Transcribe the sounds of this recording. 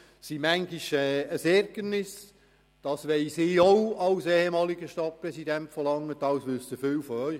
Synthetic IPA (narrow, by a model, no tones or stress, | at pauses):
simæŋɡiʃɛːəsɛɾɡənɪs | d̥ɑsʋɛɪsiːowɑlsehemɑːliɡəʃtɑt̚pɾɛsidæntfəlɑŋːətɑwsʋʏsəføːwfɔœʏ